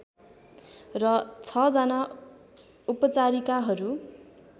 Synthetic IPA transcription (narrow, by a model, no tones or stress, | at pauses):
rʌt͡sʰʌd͡zʌna | upʌt͡saɾikaɦʌɾu